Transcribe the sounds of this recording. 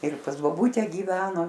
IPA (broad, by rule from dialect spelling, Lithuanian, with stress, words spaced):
ɪr pɐs boːˈbuːtʲɛ ɡʲiːˈʋʲæːnoː